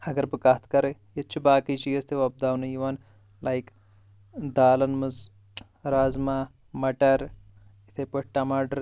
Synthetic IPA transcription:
ɐɡɐɾbɨkat̪ʰkɐɾejet͡ʃʰibaːkit͡ʃiɐzt̪ʰeʋɐb̚d̪aːwnɨjiʋɐn | lajk | d̪aːlɐnmɨz | ɾazma | mɐʈɐɾit̪ʰepɐʈʈːɐmɐɖɾ

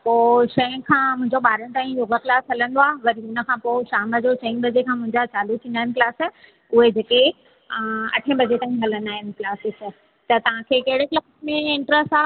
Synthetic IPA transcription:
poːʃɐ̃ə̃kʰãːmʊ̃ɦɪ̃ɲd͡ʑoɓaːɾəñt̪aːĩjoːɡəkɪlaːsɦɐlə̃nd̪oaːʋɐɾiʊnə̆kʰãpoʃaːməd͡ʑoʃɐ̃ĩbɐd͡ʑekʰãːmʊ̃ɦɪ̃ɲd͡ʑat͡ɕaːlut̪ʰĩːnd̪aːɪ̃nɪklaːs | ʊɦed͡ʑeːke | ɐ̰ʈʰə̃bʱɐd͡ʑet̪aːĩɦɐlə̃nd̪aːɦɪnɪ̆klaːsɪks | t̪ɐt̪ɐʋ̤ãkʰekɐɦɪɽeklaːsmẽɪ̃ɳʈɾəsʈaː

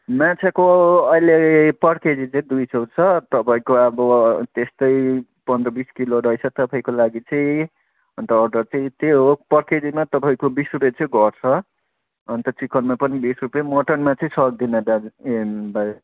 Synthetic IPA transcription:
mãt͡sʰakoʌjlepʌɽked͡zit͡sʌ̃ĩd̪ujsot͡sʰʌt̪ʌpaĩkoʌbʌt̪est̪ʌj | pʌnd̪rʌbiskiloɾʌjt͡sʰʌt̪ʌpaĩkolaɡit͡sʌ̃ĩ | ʌnt̪ʌːrɖʌrt͡sʌĩt̪eɦopʌɽked͡zimat̪ʌpaĩkobisrupet͡sʌĩɡʌrt͡sʰʌ | ʌnt̪ʌt͡sikʌnmapʌnibisrupjemoʈʌnmat͡sʌĩsʌɡ̚d̪inad̪a | baj

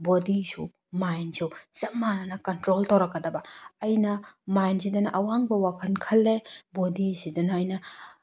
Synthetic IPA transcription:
bodisṵ | majnsʰuzɐmːanɐnɐkɐntɾoltɐwɾɐkːɐdɐbɐːjnɐmajnsidɐnɐʔɐwaŋbɐwakʰɐnkʰɐlːebodisidɐnɐjnɐ

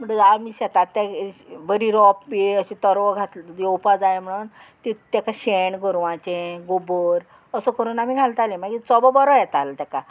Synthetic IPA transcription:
m̤əɳamiɕɛt̪at̪ːɛʋəɾiɾɔpbiəɕit̪əɾʋɔɡʱat̪ld͡ʑeopad͡zajm̤əɽuːn | t̪it̪ɛkaɕeɳɡəɾʋãt͡ɕẽɡobəɾ | əsəkəɾuːnamiɡʱalt̪alemakit͡sɔbɔbɔɾɔjɛt̪alt̪ɛka

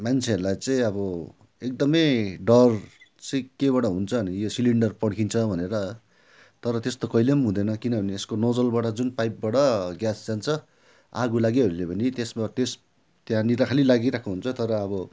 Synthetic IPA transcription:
mant͡sʰeʌɾulajt͡sʌĩʌbʌ | ek̚d̪ʌmʌjɖʌrt͡sʌĩkeβaɽʌɦunt͡sʰʌnijosiliɳɖʌrpʌɽkʰint͡sʰʌbʱʌneɾʌ | t̪ʌɾʌt̪est̪okʌilemɦũd̪ʌnʌkinʌbʱʌnieskonod͡zʌlbaʈʌd͡zunpajp̚baɽʌɡjasd͡zant͡sʰʌ | aɡulaɡeʌɾulebʱʌnit̪esmat̪es | t̪jãniɾakʰalilaɡiɾakʰuɦunt͡sʰʌt̪ʌɾʌːbʌ

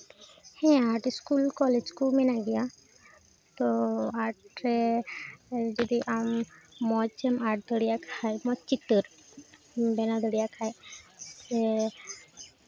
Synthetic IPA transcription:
hɛ̃aʈiskulkɔled͡ʒkumɛnaɡɛja | t̪ɔaʈɾɛ | d͡ʒɔd̪iʔamːɔt͡ʃɛmaʈ̚d̪əɽijakʰajmɔt͡ʃit̪ːəɾ | bɛnad̪əɽijakʰajsɛ

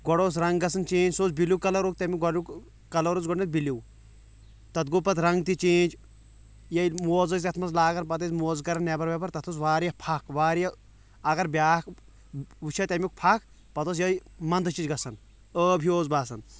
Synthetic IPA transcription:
ɡɔɽoːs̬ɾɐŋɡɡɐsɐnt͡ʃĩːd͡ʒsoːzbiluwkɐlɐɾok̚t̪ɐmʲuɡɔɽuk | kɐlɐɾozɡɔʈnet̪̚biliw | t̪ɐt̪̚ɡupɐt̪ɾɐŋɡt̪it͡ʃĩːd͡ʒ | jɐjmoːzɐz̬ʲɐt̪ʰmɐs̬laːɡɐɾpɐt̪̬ɐzmoːzkɐɾɐnːɛbɐɾʋɛpɐɾt̪ɐt̪ʰos̬ʋaːɾijɐpʰɐkʋaːɾijɐ | ɐɡɐɾbʲaːk | ʋut͡ʃʰɐt̪ʲemʲik̚pʰɐk̚ | pɐt̪os̬jɐjmɐnd̪t͡ʃid͡ʒɡɐsɐn | əːbʱioːzbaːsɐn

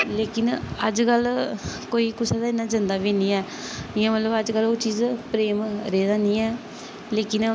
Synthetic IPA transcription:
leːkɪnəd͡ʒkəlkoːiːkʊsaːd̪aːɪnːãːd͡ʒənd̪aːʋeːniːɛː | ɪjãmət̪ləbəd͡ʒkəloːt͡ʃiːzpɾeːmɾeːd̪aːnĩːɛː | leːkɪn

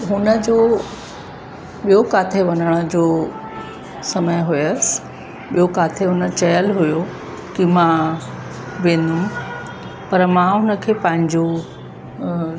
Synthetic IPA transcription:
ɦʊnəd͡ʑoː | ɓijokaːt̪ʰeʋɐnəɽ̃əd͡ʑoː | sɐməjɦʊjəs | ɓijokaːt̪ʰeɦʊnə̆t͡ɕɐjəlɦʊjo | kimã | ʋẽːnd̪ũ | pɐɾmãɦʊnə̆kʰeːpɐ̃ɦɪ̃ɲd͡ʑo

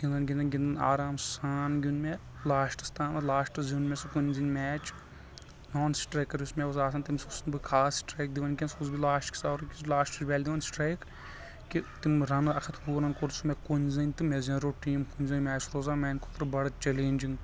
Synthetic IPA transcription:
ɡ̥ʲind̪ɐnɡʲind̪ɐnɡʲind̪ɐna̰ːɾaːmsaːnɡʲunme | laːʃʈɨ̥st̪aːmɐlaːʃʈɨziunmʲesɐkunʲzɐnʲmɛːt͡ʃ | noːnsʈɾɐjkːɐɾʲusmewɐs̬aːs̬ʰɐnt̪imsusɨnbɨkʰaːssʈɾɐjk̚d̪iʋɐnkʲɐnsusbilaːʃʈkʰʲi̥sɐːɾɐkʲislaːʃʈɨt͡ʃʲbɛːlʲd̪iʋɐnsʈɾɐjk | kit̪imɾɐnɨɐkʰɐt̪ʰbuːɾɐnkoɾsumekunʲzɐnʲt̪ɨmezɐ̃nɾoʈiːmkunʲzɐnʲmʲɛːt͡ʃɾoːzaːmɛːnʲkʰot̪ɾbɐɽɐt͡ʃeleːnʲd͡ʒiŋɡ

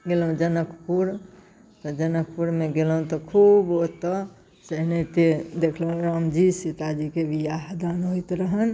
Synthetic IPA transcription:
ɡeləũd͡ʒənəkʰpuɾ | t̪ɔd͡ʒənək̚puɾmeɡelɦũt̪ɔkʰubot̪ːɔ | səɦnet̪ed̪ekʰləɦũɾamd͡ʒisit̪ad͡ʒikeʋijaɦd̪anɦojt̪ɾəɦən

